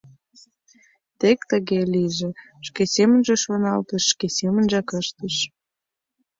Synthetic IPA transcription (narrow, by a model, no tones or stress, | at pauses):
t̪ekt̪əɣeliʒĕ | ʃkesemə̆nʒeʃonɑlt̪əʃːkesemə̆nʒɑkəʃt̪əʃ